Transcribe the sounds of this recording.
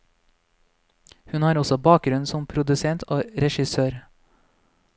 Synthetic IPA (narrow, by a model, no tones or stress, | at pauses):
hʉnhɑːɾɔsɔbɑːk̚ɡɾʉnsɔmpʰɾʊd̪ʉsɛnt̪ʰoːɾɛʃɪsøːɾ